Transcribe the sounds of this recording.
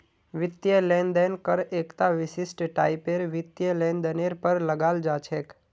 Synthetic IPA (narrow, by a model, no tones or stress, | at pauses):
ʋɪt̪jəlɛ̃nd̪enkəɾeːkt̪aʋɪʃɪsʈʈaːipeɾʋɪt̪jəlɛ̃nd̪əneɾpəɾləɡaːld͡ʒat͡ʃʰeːk